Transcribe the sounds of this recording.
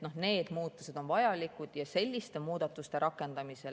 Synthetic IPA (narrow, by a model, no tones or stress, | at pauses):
no̞ne̞ːd̪muːt̪ːˑuse̞d̪̥o̞nvɑjɑlikud̪̥jɑse̞lʲːist̪e̞muːd̪̥ɑt̪ːˑust̪e̞ɾʔɑkːˑe̞nd̪̥ɑmise̞